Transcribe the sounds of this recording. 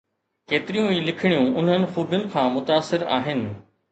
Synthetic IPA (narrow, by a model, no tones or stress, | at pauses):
keːt̪ɪɾijũiːlɪkʰɪɽ̃ijũʊn̤ənɪ̆xuːbjʊnɪ̆kʰãːmʊt̪aːsɪɾa̰ːɦɪnɪ̆